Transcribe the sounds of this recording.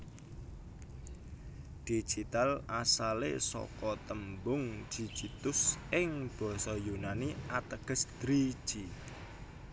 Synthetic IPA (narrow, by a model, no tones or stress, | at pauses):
d̪̥i̥ʒ̥it̪alasalḛsɔ̰kɔt̪əmbʊŋ̥d͡ʒ̥i̥d͡ʒ̥it̪ʊsɪŋb̥ɔ̤sɔjunaniʔat̪əɡ̥ə̤sd̪̥ɾi̥ʒ̥i